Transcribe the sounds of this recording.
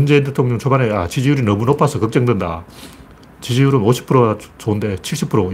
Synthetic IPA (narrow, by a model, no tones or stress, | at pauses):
und͡ʑe̞int̬ʰetʰoŋɲʌŋt͡ɕʰobaneat͡ɕid͡ʑijuɾinʌmunopʰasʰʌkʌk̚t͡ɕ͈ʌŋdwenda̰ | t͡ɕid͡ʑijuɾɯnoɕʰi̥pʰɯɾot͡ɕoɯnde̞t͡ɕʰiɭɕ͈ipʰɯɾo